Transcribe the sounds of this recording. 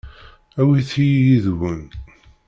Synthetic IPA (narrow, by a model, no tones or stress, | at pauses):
æwiθijjiðwən